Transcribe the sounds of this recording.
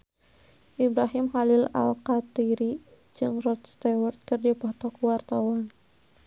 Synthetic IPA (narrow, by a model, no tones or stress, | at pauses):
ʔibɾaɦimhalila̰lkat̪iɾi | d͡ʒɨŋrɔt̪̚st̪ɛwərt̪̚kɨrdipɔt̪ɔkuwart̪awan